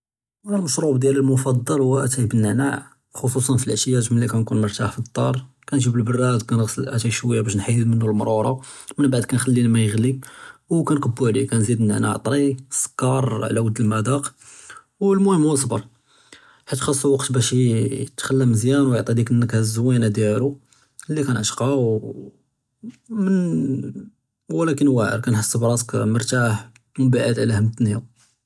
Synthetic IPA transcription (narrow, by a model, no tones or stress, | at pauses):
ʔænælmɑʃɾubd̪jæləlmʊfɑd̪ˤːɑlhuwːæʔæt̪ijbənːəʕnaʕ | xosˤusˤɑnfilʕəʃjæʒmlːikænkunmʊɾˤt̪aħfit̪ˤːɑɾˤ | kænʒibəlbərˤːæd̪kænɣsˤəlʔæt̪iʃwəjːabæʃ̬nħajːəd̪mənːulmɾˤuɾˤɑmənbaʕd̪kænxælːilmæjəɣliwkænqəbːuʕlikænzid̪nːə̰ʕna̰ʕt̪ˤɾiskːɑɾˤʕlæwəd̪ːəlmæd̪ɑq | wlmʊhəmhus̬ˤbəɾˤ | ħit̪xɑsˤːuwɑqt̪bæʃət̪xælːæməzjænwjəʕt̪ˤid̪ikənːəkhæzwænad̪jælu | lːikænʔəʃqɑw | mən | wəlækənwæʕə̰ɾkænħəsːəbɾˤɑsə̥kməɾˤt̪aħ | mʊbaʕəd̪ʕlæhəmt̪njæ